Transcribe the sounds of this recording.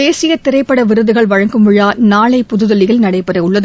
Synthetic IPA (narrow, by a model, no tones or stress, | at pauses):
eːsɪjɐt̪ːɪɾɐɪpːɐɽɐʋɪɾɯðɯɣɐɭʋɐɻɐŋɡɯmɪɻaːnaːɭɐɪpʊðɯðɐlɪɣɪlnɐɽɐɪpːɐɾɐɪʊɭːɐðɯ